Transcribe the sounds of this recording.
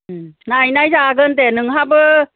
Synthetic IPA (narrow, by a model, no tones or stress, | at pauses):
najnajzaɡənt̪ɛnɯŋɦapə